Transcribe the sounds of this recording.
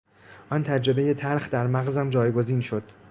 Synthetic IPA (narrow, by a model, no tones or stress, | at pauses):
ʔɒnt̪ʰæd͡ʒɾe̞be̞je̞t̪ʰælxd̪æɾmæɣzæmd͡ʒɒːjɡo̞ziːnʃod̪̥